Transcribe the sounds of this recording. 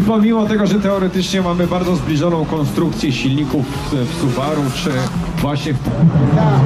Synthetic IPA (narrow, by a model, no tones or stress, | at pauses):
pɔmʲimɔt̪ɛɡɔʐɛt̪ɛɔɾɛt̪ɘt͡ʂɲɛmamɘbaɾd̪zɔzblʲiʐɔnɔ̃w̃kɔnst̪ɾukt̪sʲjɛɕilʲɲikuf | fsuvaɾut͡ʂɘ | vwaɕɲɛ